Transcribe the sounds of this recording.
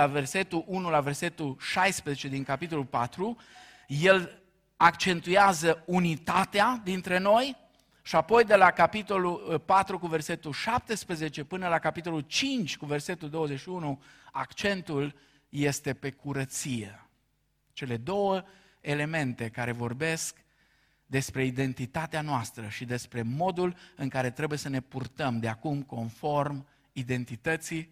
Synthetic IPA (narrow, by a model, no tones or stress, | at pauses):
ave̞rse̞t̪uʔunulave̞rse̞t̪ulʃajspɾezet͡ʃe̞d̪iŋkapit̪̬o̞lulpat̪ɾu | je̞l | akt͡ʃe̞nt̪ujazəunit̪at̪ead̪int̪ɾe̞no̞j | ʃiapo̞jd̪e̞lakapit̪o̞lupat̪ɾukuve̞rse̞t̪ulʃap̚t̪e̞spɾəze̞t͡ʃe̞pɨnəlakapit̪o̞lult͡ʃint͡ʃʲkuve̞rse̞t̪uld̪o̞wəzeʃiunuakt͡ʃe̞nt̪ul | je̞st̪e̞pe̞kuɾət̪sije | t͡ʃe̞le̞d̪o̞wə | ele̞me̞nt̪e̞kaɾe̞vo̞rbe̞sk | d̪e̞spɾe̞id̪e̞nt̪it̪at̪eanoast̪ɾəʃid̪e̞spɾe̞mo̞d̪ulɨŋkaɾe̞t̪ɾe̞bujesəne̞purt̪əmd̪eakumko̞nfo̞rm | id̪e̞nt̪it̪ət̪si